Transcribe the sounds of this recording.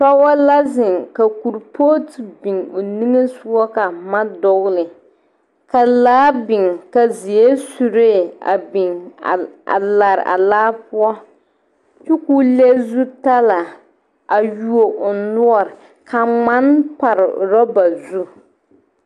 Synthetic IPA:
ta˦a˦la˦zɪ˨ŋka˨ku˨ɾpʰoː˦ti˨bɪ˨ŋo˨ni˦ŋe˦su˦ɔ˦ka˨ma˦dɔ˨ɣlɪ˨ | ka˨laː˦bɪ˨ŋka˨zi˨e˦su˨ɾe˦˨a̰˨bɪ˨ŋ | a̰˨la˨ɾɪ̰˨ʔa̰˨laː˦pʊ˦ɔ˦ | t͡ʃu˦ku˦le˦zu˦ta˦la˨ | a˨ju˦o˨ʔʊ˨nʊ˦ɔ˦˨ɾɪ˨ | ka˨ŋ͡ma˦npa˨ɾɪ̰˨ɾɔ˦ba˨zu˦

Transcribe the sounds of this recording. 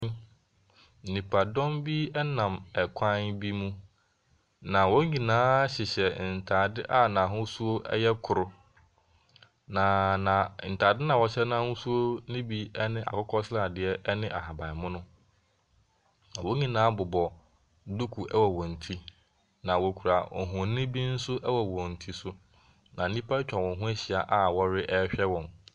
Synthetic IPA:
n̩˨nĩ˨pʰa˨dɔ̃˦mbi˦ɛ˦nã˨mɛ˨kʰã˦nbi˦mũ˦ | nã˨wɔ˦ɲĩ˨nãː˨˦ɕɪ˨ɕɛ˨n̩˨tʰaː˨dɪ˦ʔa˦nã˨ɦʊ̃˦su˦o˦ʔɛ̰˦jɛ˦kʰʊ˨ɾʊ˦ | nã˨nã˨n̩˨tʰa˨dɪ˦nã˨wɔ˨ɕɛ˦nã˦hʊ̃˦su˦o˦nɪ̃˦bi˦ɛ˦nɪ̃˦ʔa̰˨kʊ˦kʰɔ˦sɾa˦˨dɪ˨ɛ˦ɛ˦nɪ̃˦ʔa˨ɦa˨ba˨mʊ̃˦nʊ̃˦ | nã˨wo˦ɲĩ˦nãː˨˦bʊ˨bɔ˨ | du˦kʰu˨ʔɛ˦wɔ˨wɔ̃˨n̩˨tʰi˦ | nã˨wo˨kʰu˨ɾa˨ɔ̰˨ɦʊ̃˨nɪ̃˦bi˦n̩˦sʊ˦ʔɛ˦wɔ˨wɔ̃˨n̩˨tʰi˦sʊ˦ | nã˨˦nĩ˦pʰa˦t͡ɕᶣã˨wɔ̃˨ɦʊ̃˦æ˦ɕi˨a˨ʔa˦wɔ˦ɾɪ˦ʔɛ˦ɕᶣɛ˦wɔ̃˨n

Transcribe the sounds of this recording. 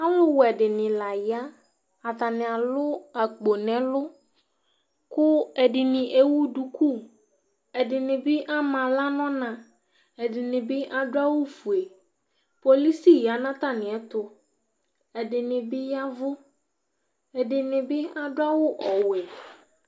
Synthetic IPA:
a˦wʊ˦wɛ˨dɪ˨nɪ̃˨la˨ja˦ | a˨t̪a˨nɪ̃˨a˨lʊ˦a˨k͡po˨nɛ̃˨lʊ˦ | kʊ˦ɛ˨dɪ˨nɪ̃˨ʔe˨wu˦du˨kʰu˦˨ | ɛ˨dɪ˨nɪ̃˨bɪ˦ʔa˦mã˨la˦nɔ̃˦nã˨ | ɛ˨dɪ˨nɪ̃˨bɪ˦ʔa˨dʊ˦a˦wʊ˦fu˨e˨ | po˨li˦si˦ja˨nã˦t̪a˦nɪ̃˨ɛ˨t̪ʊ˨ | ɛ˨dɪ˨nɪ̃˨bɪ˦ja˦vʊ˦ | ɛ˨dɪ˨nɪ̃˨bɪ˦a˦dʊ˦a˦wʊ˦ʔɔ˨wɛ˨

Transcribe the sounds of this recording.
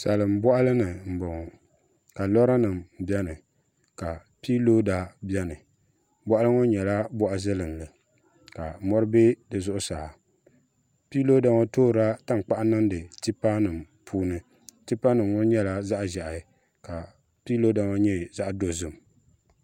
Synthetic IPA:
sa˨lɨ˨m˦bɔ˦ʔa˦lɨ˦nɨ˨m̩˨bɔ˨ŋɔ˨ | ka˨lɔ˦ɾa˦nɨ˨m˨bɛ˦nɨ˨ | ka˨ | pi˦lo˦da˨bɛ˦nɨ˨ | bɔ˦ʔa˦lɨ˦ŋo˦ɲɛ˨la˦bɔ˦ʔa˦zɨ˦lɨ˨nlɨ˨ | ka˨mɔ˦ɾɨ˦be˦dɨ˨zʊ˦ʔʊ˦saː˨ | pi˦lo˦da˨ŋo˦toː˦ɾa˦ta˦ŋ˨k͡pa˦ʔa˦nɨ˦n˦dɨ˨ti˦pa˦nɨ˨m | pʰuː˦nɨ˦ | ti˦pa˦nɨ˨mŋo˦ɲɛ˦la˦za˦ʔʒɛ˨ʔa˨ | ka˨ | pi˦lo˦da˨ŋɔ˦ɲɛ˦za˦ʔdo˦zɨ˨m˨

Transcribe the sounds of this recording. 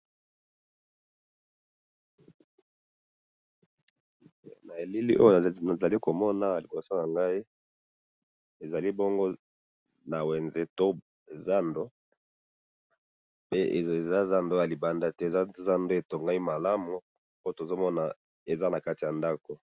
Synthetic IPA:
na˨e˨li˦li˦ʔo̰˦jo˦a˨za˨li˦ko˨mɔ˦na˨li˨bo˨so˦na˨ŋɡa˦i˦ | e˨za˨li˦bo˦ŋɡo˦ | na˨wɛ˨nze˨to˦˨ | za˦ndo˦ | pe˦˨e˨za˦za˦ndo˦ja˨li˨ba˨nda˦tɛ˦˨a˦za˦ndo˦e˨to˨ŋɡa˦i˦ma˨la˦mu˨ | o˦o˦to˨zo˦mɔ˦na˨ | e˨za˦na˨ka˦ti˨ja˨nda˦ko˨

